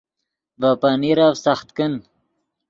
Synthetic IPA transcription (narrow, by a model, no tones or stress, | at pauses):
vapaniɾavsaxt̪kən